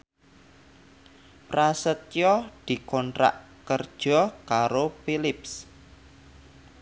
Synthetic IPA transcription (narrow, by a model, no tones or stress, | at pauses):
pɾasət̪̚jɔd̪̥i̤kɔntɾa̰ʔ | kərd̥ʒ̥ɔkaɾopilɪps